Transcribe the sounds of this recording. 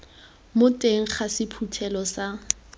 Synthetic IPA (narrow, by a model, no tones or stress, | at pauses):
mʊtʼeŋ̩χasɪpʰutʰɛlɔsa